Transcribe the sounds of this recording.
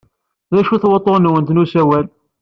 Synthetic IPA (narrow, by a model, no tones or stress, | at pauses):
ðæʃuθwət̪ˤːonwənt̪nusæwæl